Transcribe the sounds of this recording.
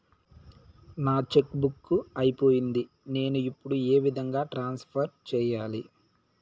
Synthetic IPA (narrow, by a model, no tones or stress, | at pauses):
naːt͡ʃe̞kbukːuɐjipo̞ːjind̪i | ne̞ːnuipːuɽueːʋid̪ʱɐŋɡaːʈɾaːnspʰɐɾt͡ʃɛːjaːli